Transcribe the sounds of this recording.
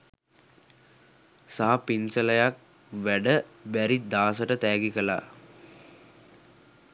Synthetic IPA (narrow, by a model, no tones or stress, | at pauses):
saɦapinsələjak̚ | ʋæɖəbæɾid̪aːsəʈət̪æːɡikəla̰ː